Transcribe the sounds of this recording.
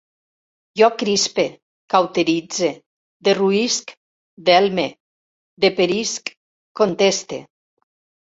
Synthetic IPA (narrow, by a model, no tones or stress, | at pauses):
ʒɔkɾispe | kawt̪eɾid͡ze | d̪eruisk | d̪ɛlme | d̪epeɾisk | kːont̪est̪ḛ